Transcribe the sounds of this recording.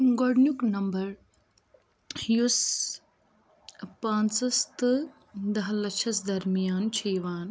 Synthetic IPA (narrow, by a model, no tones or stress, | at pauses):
ɡoɽnjuknɐmbɐɾ | hjus | pãːnt͡sɐst̪ɨ | d̪ɐɦɐlɐt͡ʃʰɐsd̪ɐɾmijaːnt͡ʃʰiːʋaːn